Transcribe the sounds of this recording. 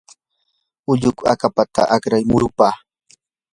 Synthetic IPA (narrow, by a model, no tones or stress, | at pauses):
ʊʎʊkakapat̪a̰ʔakɾajmʊɾʊpaː